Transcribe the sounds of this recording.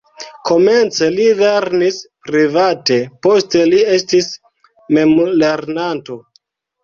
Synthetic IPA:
kʰo̞me̞nt͡se̞liveɾnispɾivate̞po̞ste̞lie̞stis | me̞mole̞ɾnanto̞

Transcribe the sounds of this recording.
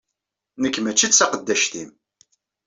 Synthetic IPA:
nəkːmæt͡ʃːit͡sːsɑqəd̪ːæʃt̪im

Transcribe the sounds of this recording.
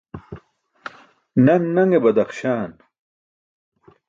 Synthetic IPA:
nɐnːɐŋɡebɐd̪ɐqɕaːn

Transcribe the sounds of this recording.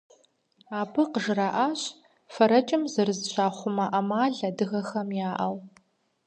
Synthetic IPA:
aːpʰɨqəʒraʔaːɕ | fɐɾɐt͡ʃʼɪmzɐrɨzɕʷaːχʷʊmɐʔɐmaːɮɐdɨɣɐxɐmjaːʔɐw

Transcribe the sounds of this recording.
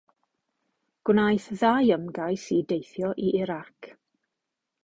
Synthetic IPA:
ɡ̥wnajθðajəmɡajsidejθjɔʔiʔɪɾak

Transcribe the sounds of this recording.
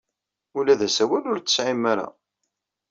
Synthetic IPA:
ulæðæsæwælʊɾt͡sːə̥sʕimːæɾæ̰

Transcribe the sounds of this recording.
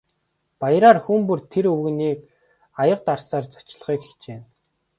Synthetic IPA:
pajɾaːrxumpɵrt̪ʰeɾɵwɣniːk | ajə̆q̚t̪arsaːrt͡sɔ̥t͡ɕɮ̆χiːke̥xt͡ɕeː

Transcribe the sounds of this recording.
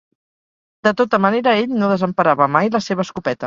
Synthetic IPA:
d̪̥ət̪ot̪əməneɾəeʎnoðəzəmpəɾaβəmajləseβ̞əskupɛt̪ə

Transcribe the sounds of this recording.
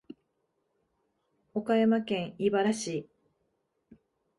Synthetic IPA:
okajamakẽ̞ɰ̃ibaɾaɕiː

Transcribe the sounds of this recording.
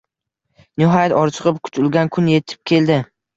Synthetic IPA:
nɪɦɒjat̪ɒɾt͡ʃʰɨʁɨp̚kʰʊ̥t͡ʃʊlˠɡʲankʰʊnje̞t̪ʰɪ̥p̚kʲʰe̞ld̪ɪ

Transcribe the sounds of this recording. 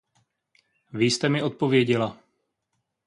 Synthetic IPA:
viːst̪ɛmɪʔot̪̚po̞vjɛɟɛla

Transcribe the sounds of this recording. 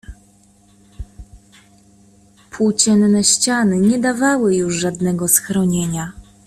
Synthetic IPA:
pʰut͡ɕɛnnɛɕt͡ɕanɘɲɛd̪avawɘjuʐʐad̪nɛɡɔsxɾɔɲeɲa

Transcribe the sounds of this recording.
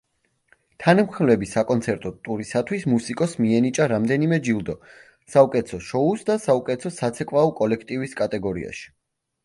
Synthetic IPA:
t̪ʰanamχlɛbisakʼɔnt̪sʰɛɾt̪ʼɔt̪ʼuɾisat̪ʰwismusikʼɔsmiɛnit͡ʃʼaɾamd̪ɛnimɛd͡ʒilˠd̪ɔ | saukʼɛt̪sʰɔʃɔusd̪asaukʼɛt̪sʰɔsat̪sʰɛkʼwaɔkʼɔlɛkʰt̪ʼiviskʼat̪ʼɛɡɔɾḭa̰ʃi̥

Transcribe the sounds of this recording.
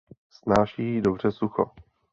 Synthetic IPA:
snaːʃiːdobr̝ɛsuxo̰

